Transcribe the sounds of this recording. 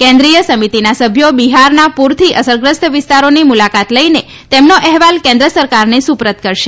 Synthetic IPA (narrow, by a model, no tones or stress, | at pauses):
kɛ̃nd̪ɾijəsəmit̪inasəbʱjobiɦaɾnapuɾt̪ʰiʔəsəɾɡɾəst̪ʋɪst̪aɾonimulakat̪ləine | t̪emnoʔɛɦʋalkɛ̃nd̪ɾəsəɾkaɾnesupɾət̪kəɾʃe